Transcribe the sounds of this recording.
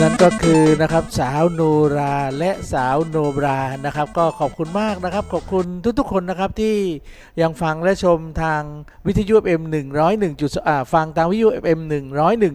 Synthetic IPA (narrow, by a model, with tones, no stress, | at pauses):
na˥˩nkɔː˥˩kʰɯː˧na˦˥kʰa˦˥p̚saː˩˦wnoː˧ɾaː˧lɛ˦˥ʔsaː˩˦wnoː˧bɾaː˧na˦˥kʰa˦˥p̚kɔː˥˩kʰɔː˨˩p̚kʰu˧nmaː˥˩k̚na˦˥kʰa˦˥p̚kʰɔː˨˩p̚kʰu˧nt̪ʰu˦˥k̚t̪u˥kʰo˧nːa˦˥kʰa˦˥p̚t̪ʰiː˥˩ | ja˧ŋfa˧ŋlɛ˦˥t͡ɕʰo˧mt̪ʰaː˧ŋ | wi˦˥t̪ʰa˧juː˦˥ʔe˩ʔe˧mnɯ˨˩ŋɾɔː˦˥jnɯ˨˩ŋt͡ɕu˨˩ʔaː˧˩fa˧ŋt̪ʰaː˧ŋwi˦˥t̪ːjuː˦˥ʔe˨˩p̚ʔe˧mnɯ˨˩ŋɾɔː˦˥jnɯ˨˩ŋ